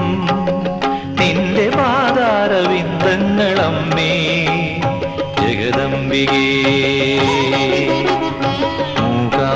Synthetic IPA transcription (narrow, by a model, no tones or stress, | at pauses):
nind̪ebaːd̪aːɾɐʋind̪ɐŋːɐɭɐmːeː | d͡ʒɐɡɐd̪ɐmbiɡeː | muːka